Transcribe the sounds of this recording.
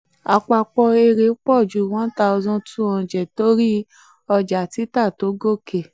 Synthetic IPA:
a˧k͡pa˧k͡pɔ˧e˧ɾe˨˦k͡pɔ˦˨d͡ʒu˨˦˨wɔ̃˦ta˧ɔ˧zɔ̃˧˦tũ˦ɔ̃˨d͡ʒɛ˨to˦ɾi˦ | ɔ˧d͡ʒa˨ti˨˦ta˦˨to˨˦ɡo˦˨ke˨

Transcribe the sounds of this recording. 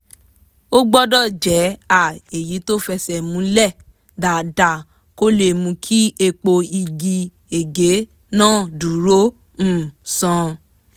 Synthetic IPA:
o˦ɡ͡bɔ˦dɔ˦˨d͡ʒɛ˨˦a˦˨e˨ji˨˦to˦fɛ˧sɛ˨mũ˨˦lɛ˦˨ | da˨da˦˨ | ko˦le˧˨mũ˧kʰi˦e˧k͡po˧i˧ɡi˧ | e˨ɡe˨˦ | nãː˦˨du˨˦ɾõ˦˨ | sɔ̃˧

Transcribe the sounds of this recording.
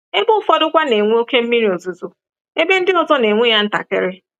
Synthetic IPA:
e˦bʊ˦fɔ˦dʊ˦kʷa˦ne˨ŋʷe˦o˦ke˦m̩˦mi˦ɾi˨o˨zu˨zu˨ | e˦be˦n̩˦dɪ˦ɔ˨zɔ˦ne˨ŋʷe˦ja˦n̩˦ta̰˨kḛ˦ɾɪ˦

